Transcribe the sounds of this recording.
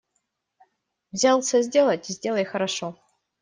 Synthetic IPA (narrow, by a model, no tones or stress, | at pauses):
vzʲalˠsəzʲdʲe̞lˠətʲizʲdʲe̞lˠɐjxɐɾaʂo